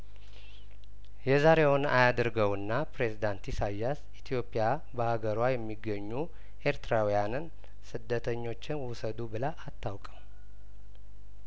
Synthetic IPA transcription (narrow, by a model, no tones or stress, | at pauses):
jɛzaɾe̞wnajad̪ɾɡəwɨnːapɾe̞zid̪ant̪isajːasit̪ʰijo̞pʼija | bəhaɡəɾwajɛmːiɡːəɲːu | ʔe̞ɾt̪ɾawijanɨn | sɨd̪ːət̪ʰəɲːo̞t͡ʃːɪnwʊsəd̪ubɨlaʔːt̪ʰːawkʼəm